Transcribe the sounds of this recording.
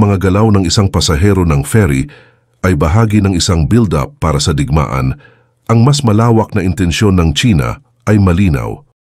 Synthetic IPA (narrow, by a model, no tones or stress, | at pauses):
mɐŋaɡɐlawnɐŋɪsaŋpɐsɐɦɛːɾo̞nɐŋfɛɾḭ | ʔɐjbɐɦaːɡinɐŋɪsaŋbild̪ɐ̰pːaːɾɐsɐd̪ɪɡ̚ma̰ːʔɐ̰n | ʔɐŋmɐsmɐlaːwɐk̚nɐʔɪnt̪ɛnʃjo̞nːɐŋt͡ʃiːnɐ̰ | ʔɐjmɐliːnɐ̰w